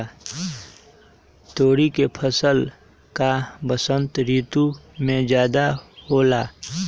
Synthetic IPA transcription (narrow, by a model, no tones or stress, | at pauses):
t̪oːɾikepʰəsəl | kabəsə̃nt̪ɾiːt̪umẽd͡ʒjaːd̪ahoːlaː